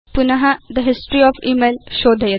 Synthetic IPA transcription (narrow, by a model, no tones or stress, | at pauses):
pʊnɐɦɐd̪əɦɪsʈɾiɔːfiːmeːlʃoːd̪ʱɐjɐ